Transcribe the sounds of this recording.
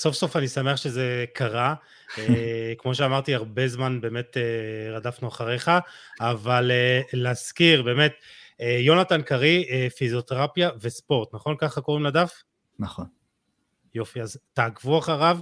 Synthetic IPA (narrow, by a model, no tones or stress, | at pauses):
so̞fso̞fanisameaχʃe̞ze̞kaʁa | ekmo̞ʃ̬eamaʁtiaʁbe̞zmanbe̞ːme̞teʁadafnuaχaʁeχaːvaleleaskiʁbe̞ːme̞t̪ejo̞natankaʁiefizjo̞t̪eʁapjavespo̞ʁt̪naχo̞nkaχako̞ʁimladaf | naχon | jo̞fiaztaːɡvuaχaʁav